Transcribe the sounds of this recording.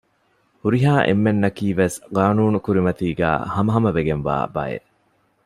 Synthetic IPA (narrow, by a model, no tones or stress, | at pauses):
huɾiɦaːʔḛmːenːɐkiːʋesɡaːnuːnukuɾimɐt̪iːɡæ̰ːhɐmɐɦɐmɐʋeɡenʋa̰ːbɐ̰ḛ